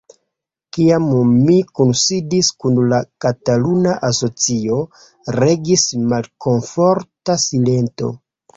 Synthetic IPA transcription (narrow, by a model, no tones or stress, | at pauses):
kiammikunsidiskunlakatalunaʔaso̞t͡sio̞ | ɾe̞ɡismalko̞ɱfo̞ɾtasile̞nto̞̰